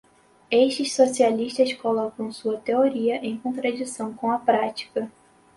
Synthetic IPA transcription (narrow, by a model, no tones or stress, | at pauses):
eʃt͡ʃɪssosialiʃt̪ɐskolɔkɐ̃w̃suɐt̪eoɾiɐʔẽj̃kõnt̪ɾad͡ʒisɐ̃w̃kõw̃ɐpɾat͡ʃi̥kɐ